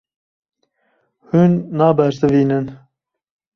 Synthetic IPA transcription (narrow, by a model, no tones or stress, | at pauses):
hunːɑːbɛɾsɨviːnɨn